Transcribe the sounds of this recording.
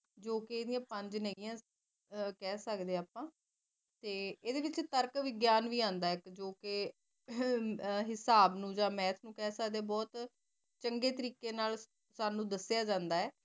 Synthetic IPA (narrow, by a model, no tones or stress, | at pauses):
d͡ʒoːkɪeːd̪ɪjãːpəɲd͡ʒnəijãː | kɛːsəkd̪eːaːpãː | t̪eːeːd̪eːʋɪt͡ʃt̪əɾkʋɪɡjaːnʋiːãːnd̪aːɪkd͡ʒoːkɪ | ɦɪsaːbnũːd͡ʒãːmɛːt̪ʰnũːkɛːsəkd̪eːɛbɔːt̪ | t͡ʃəŋɡeːt̪əɾiːkeːnaːl | saːnũːd̪əsjaːd͡ʒãːnd̪aːɛː